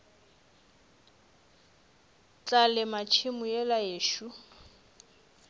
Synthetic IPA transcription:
t͡ɬalɪmat͡ʃʰɪmʊjɛlajeːʃu

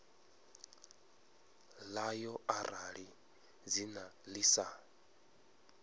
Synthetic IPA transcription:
lajɔarʔaɺi | d͡zinalisa

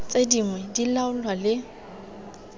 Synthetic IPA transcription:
t͡sʼediŋwɛdilaʊlwalɪ

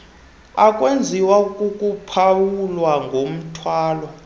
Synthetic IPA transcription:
akʼwend͡zʱiwakʼukʼupʰawulwaŋɡʱom̩tʰwaːlɔ

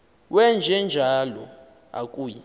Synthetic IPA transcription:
wɛnd͡ʒʱɛnd͡ʒʱalɔ | a̰kʼuːji

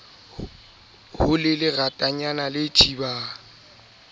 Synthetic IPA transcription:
hʊlɪlɪɣatʼaɲanalɪt͡ʃʰʼiba

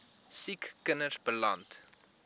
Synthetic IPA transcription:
sikːənəsbəlɐ̰nt

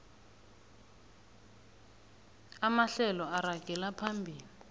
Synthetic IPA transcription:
amaɬɛlɔaraɡ̥ʱɛlapʰambʱiːli

